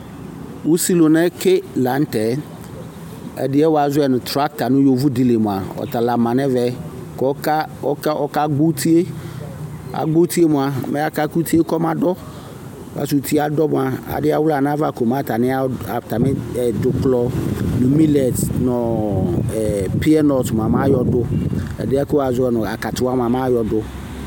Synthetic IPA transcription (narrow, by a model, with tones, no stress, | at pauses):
wu˦si˦lo˨nɛ̃˦ke˦la˨˦n̩˦tɛ˨ | ɛ̰˨dɪ˦ɛ˦wa˨zʊ˦ɛ˨nʊ̃˨t̪ɾa˦k̚ta˨nʊ̃˦jo˨vu˦di˨le˨mʊ̃˨a˨ɔ̰˨t̪a˨la˨mã˨nɛ̃˦vɛ˨ | kɔ˦ka˦ɔ˦kɔ˦ka˦ɡ͡bo˦t̪ʰi˦e˦ | a̰˨ɡ͡bo˦t̪i˦e˦mʊ̃˨a˨˦mɛ̃˦a˦ka˦ku˦t̪ʰi˦e˦kɔ˦mã˨dɔ˦˨ | ka̰˨su˨t̪ʰi˦a˨dɔ˦mʊ˨a˨a̰˨dɪ˦a˦wʊ˦la˨nã˦va˦˨ko˨m˦ã˦ta˨nɪ̃˦a˦a˨ta˨mɪ̃˦˨dʊ˨klɔ˦nũ˨mi˦lɛ˨tnɔ̃˨ | pi˦ɛ˦nɔ˨tm˨a˨mã˦jɔ˨dʊ˦ɛ̰˨dɪ˦a˦kʊ˦wa˨zʊ˦ɛ˦nʊ̃˨a˨ka˨tʊ˨˦a˦m˨a˨mã˦jɔ˨dʊ˦